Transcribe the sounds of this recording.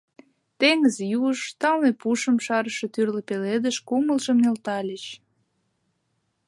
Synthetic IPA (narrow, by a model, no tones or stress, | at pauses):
t̪eŋəzjuʃt̪ɑlnepuʃəmʃɑɾəʃet̪yrlə̆peled̪əʃkuməlʒəmnelt̪ɑlʲət͡ɕ